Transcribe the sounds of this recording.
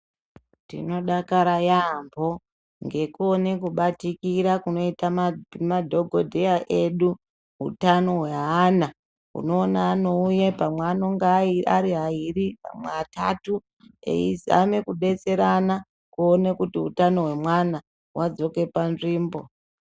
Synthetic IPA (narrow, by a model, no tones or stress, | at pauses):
tḭno̞ɗakaɾajambo̞ | ŋɡe̞kuonekuɓatikiɾakuno̞itammadʱo̞ɡʱodʱejaʔeɗu | ɦṵtano̞ɦweɦana | ṵno̞ːnaːno̞ujepamweanoŋɡaaɾiɦairipa̰mweta̰tu | ḛiza̰me̞kuɗe̞t͡se̞ɾana | kuonekutiɦṵtano̞ɦwe̞mwana | wʔad͡zo̞ke̞panʐiːmbo̞